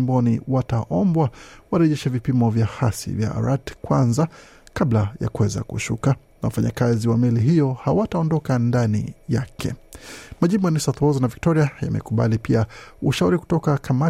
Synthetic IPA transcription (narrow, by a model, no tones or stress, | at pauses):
mbɔniwataʔɔmbwawaɾɛʄɛʃavipimɔvjahasḭvja̰a̰ɾatkwanza | kablaja̰kuwɛza̰kuʃṵka | nawafaɲakaziwamɛliɦijɔhawataɔndɔkandanḭjakʰɛ̰maʄimbɔnisat̪ɔznavik̚tɔɾiaja̰mɛ̰kuɓa̰lipiauʃauɾiku̥tɔkakʰama